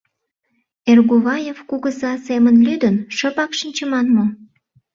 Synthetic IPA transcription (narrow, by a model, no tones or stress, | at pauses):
erɣuβɑjevkuɣəzɑsemənlyd̪ənʃəpɑkʃənʲt͡ɕəmɑnmo